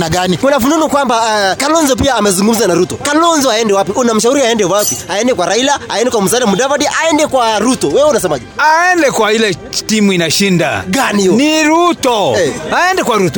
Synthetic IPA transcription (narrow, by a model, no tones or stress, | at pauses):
naɡanikunafununukwambakalɔnzɔp̬iaːmɛzuŋɡum̩zanaɾutɔkalɔnzɔaɛndɛwapiunam̩ʃ̬auɾiaɛndɛwapiaɛndɛkwaɾailaaɛndɛkwam̩usalamuɗavadiʔaɛndɛkwaɾutɔwɛwɛunasɛmaʄɛaɛndɛkwailɛtimuinaʃinda̰ɡaniɔniɾutɔɛaɛndɛkwaɾutɔ